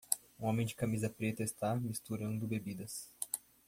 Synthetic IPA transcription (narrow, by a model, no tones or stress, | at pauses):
ũõmẽj̃d͡ʒɪkamizɐpɾet̪ɐɪst̪amist̪uɾɐ̃nd̪ʊbebid̪ɐs